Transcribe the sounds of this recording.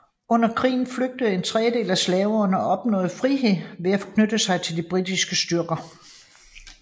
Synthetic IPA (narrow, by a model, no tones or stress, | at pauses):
ɔ̽n̰ɐkʰʁḭːn̩fløɡ̥̚d̥əð̩ˠe̝nt͡sʰʁɛəd̥e̝̰ːlæslɛːʊɐnəɒ̽b̥nɔ̰̽ːð̩ˠfʁiɦe̝ðˠʋe̝æfɒ̽kʰnød̥əsɑ̈ɪt͡sʰe̝ld̥ib̥ʁid̥isɡ̥əsd̥ɶɐɡ̥ɐ